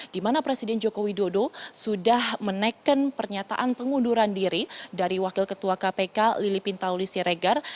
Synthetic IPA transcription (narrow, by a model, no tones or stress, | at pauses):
d̥imanapɾesidɛnd͡ʒokowidodosudahmənakənpərɲat̪a̰ʔanpəŋuduɾandiɾidaɾiwakɪlkət̪uakapekalilipint̪aulisiɾeɡar